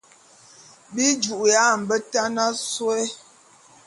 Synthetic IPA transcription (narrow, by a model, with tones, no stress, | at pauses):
bi˦d͡ʒu˨ʔja˦˨m̩˨bə˦ta˦na˦swe˦